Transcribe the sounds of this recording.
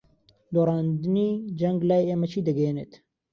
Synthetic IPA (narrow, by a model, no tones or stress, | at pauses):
d̪oːɾɑːnd̪ɨniːd͡ʒɐŋɡlaːjeeːmɐt͡ʃʰiːd̪ɐɡeenet̪